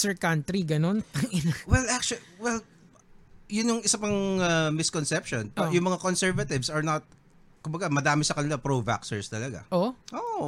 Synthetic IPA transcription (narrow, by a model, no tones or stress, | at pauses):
sɛɹkant̪ɾiɡɐno̞npɐŋɪnawɛlʔak̚t͡ʃwɛl | jʊnjʊŋʔɪsɐpɐŋɐmɪskonsɛpʃonpɐjʊŋmɐŋakonsɛɹvɐt̪ɪvsɐɹnɐt̪̚ | kʊmbɐɡamɐd̪aːmɪsɐkɐnɪlapɾova̰ksɛɹst̪ɐlɐɡa̰ʔoʔoʔ